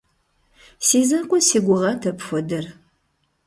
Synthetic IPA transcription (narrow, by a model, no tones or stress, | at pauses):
siːzɐqʷʊsiːɡʷʊʁɐtʰɐpxʷɔdɨr